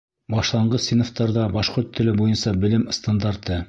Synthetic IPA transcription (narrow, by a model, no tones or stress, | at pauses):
bɑʃlˠɑɴɢɤθsinŏft̪ɑɾðɑbɑʃqoɾt̪ʰːɘ̆lɘbujɤnsɑbɘ̆lɘmɤ̆st̪and̪ɑɾt̪ɤ